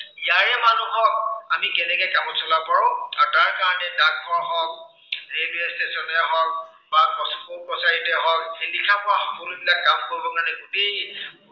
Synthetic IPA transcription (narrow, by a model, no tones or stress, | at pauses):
ijaɹɛmanuɦɔk̚amikɛnɛkɛkamɔtsʰɔlapaɹʊ̃aɹtaɹkaɹɔnɛdak̚bɔɹɦɔk̚ | ɹebiestesɔnɛɦɔk̚ | baɔspɔpɔsaɹitɛɦɔk̚ɦelikʰapʊaxɔkɔludilakamkoɹibɔkanɛɡute